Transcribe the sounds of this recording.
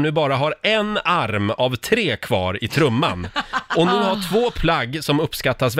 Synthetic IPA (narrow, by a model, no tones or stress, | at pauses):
nʉ̟ːbɑːɾaɦaɾɛnaɾmavt̪ʰɾeːkʰvɑ̰ːɾɪt̪ʰɾɵmːa̰nɔnʉ̟ːhaʈʰvoːpʰlaɡːsɔmɵpːskat̪ːas̬v